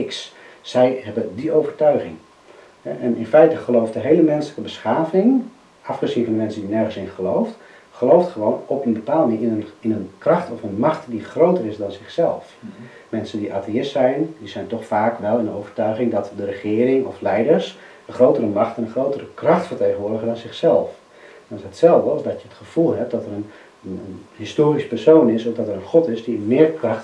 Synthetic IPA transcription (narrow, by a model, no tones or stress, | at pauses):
ɪks | sɛjɦɛbədiowvərtœɥχɪ̰ŋ | ɛɛnɪnfɛjtəχəlowft̚dəɦejləmɛnsələkəbəsχaːvɪŋ | ʔɑfχəzinfɔndəmɛnsədinɛrχənsɪnχəlowft | χəlowftχəʋoːnɔpənbəpaːlˠdnɪːənɪnənkrɑχtɔfənmɑχtdiχrowtərɪsdɔnzɪχsɛlˠf | mɛnsəndiʔaːtʰeɪstsɛjndizɛjntɔxfaːkʋɛlˠɪndənoːvərtœɥɣɪŋdɔtdərəχɪːərɪŋɔflɛjdərs | əχroːwtərəmaxtɛnəχrowtərəkrɑxtfərteːɣənʋʊːdəɣədɔnzɪxsɛlˠf | ʋɑ̃ntətsɛlˠvdəɑsdɔtjəətχəv̥ulˠɦɛp̚dɔtərən | ənənhistoːɾisə̥pɛrsoːnɪsɔfdɔtəɾənχɔtɪsdiəmɪːrkraxt